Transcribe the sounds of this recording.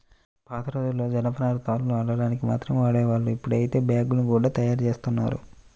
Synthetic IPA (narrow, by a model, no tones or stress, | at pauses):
paːt̪ʰɐɾoːd̪ulːo̞ːd͡ʒɐnɐpɐnaːɾut̪aːlunuɐɳɖɐɽaːnikima̰ːt̪ɾɐmʋaːɽɛːʋaːɭːuipːuɽɐjit̪e̞ːbaːɡulnikuːɽaːt̪ɐjaːɾt͡ʃe̞ːst̪unːa̰ːɾṵ